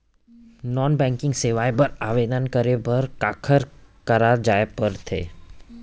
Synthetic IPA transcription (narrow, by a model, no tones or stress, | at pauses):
nɔːnbɛ̃ːŋkɪ̃ŋɡseːʋaːebɐɾaːʋeːd̪ənkəɾebəɾkaːkʰəɾkəɾaɾd͡ʒaːepəɾt̪ʰḛː